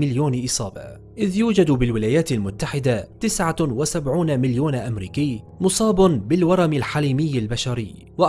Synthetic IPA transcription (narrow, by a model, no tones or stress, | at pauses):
mɪljoːnʔɪsˤɑːbɑ̰ | ʔɪðjuːd͡ʒad̪bɪlwɪlaːjaːt̪almʊt̪ːaħɪd̪at̪ɪsʕawasabʕuːnmɪljoːnʔamɾiːkɪːmʊsˤɑːbʊnbɪlwɑɾˤɑmɪlħaliːmɪjːalbaʃaɾɪjː | waʔ